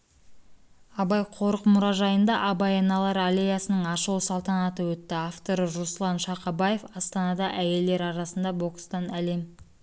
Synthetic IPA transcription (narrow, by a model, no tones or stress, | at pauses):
ɑbɑjqʰo̞ɾəqmʊɾɑʒɑjənd̪ɑʔɑbɑjɑnɑlˠɑɾalʲejɑsənəɴɑʃəwsɑlˠt̪ɑnɑt̪əwɵt̪ːɪɑft̪o̞ɾəʒoslˠɑnʃɑqɑbɑje̞fɑst̪ɑnɑd̪ɑʔæje̞ld̪e̞ɾɑɾɑsənd̪ɑbo̞kst̪ɑnælem